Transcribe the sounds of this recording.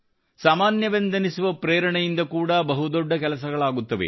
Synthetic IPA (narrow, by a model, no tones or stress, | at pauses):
saːmaːnjɐʋend̪ɐnisuʋɐpɾeːɾɐɳɛjind̪ɐkuːɽɐbɐɦud̪ɔɖːɐkɛlɐsɐɡɐɭaːɡut̪ːɐʋḛ